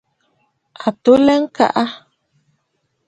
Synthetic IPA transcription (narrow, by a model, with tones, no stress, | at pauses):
a˨t̪u˦lɛ˦ŋ̩˦ka̰˨ʔa˦